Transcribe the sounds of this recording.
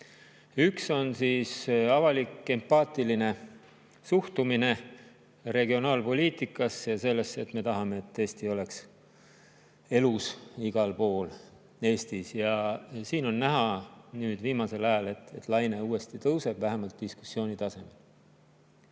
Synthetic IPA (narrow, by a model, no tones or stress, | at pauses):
ykso̞nsiːsɑvɑlikːˑe̞mpɑːt̪iline̞ | suht̪umine̞ | re̞ɡ̥io̞nɑːlpo̞liːt̪ˑikˑːɑsjɑse̞lːe̞sːet̪me̞t̪ɑɦɑme̞ːt̪ːeːst̪io̞le̞ks | e̞lusiɡ̥ɑlpo̞ːl | e̞ːst̪isjɑsiːno̞nːæɦɑnyːd̪viːmɑse̞lɑjɑle̞t̪ːe̞t̪lɑjne̞uːe̞st̪it̪ɤwse̞b̥væɦemɑlt̪̚d̪̥isku̥sːio̞ːnit̪ɑse̞me̞l